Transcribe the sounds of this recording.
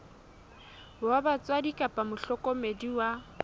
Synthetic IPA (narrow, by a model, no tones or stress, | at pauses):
wabat͡sʼwadikʼapʼamʊɬɔkʼɔmediwa